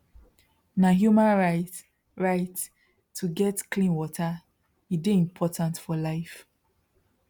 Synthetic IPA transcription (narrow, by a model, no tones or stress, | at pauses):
naɦjumãnɹaɪt | ɹaɪtʰː | uɡɛtklĩnwɔtʰa | ideĩmpʰɔtãntfɔlaɪf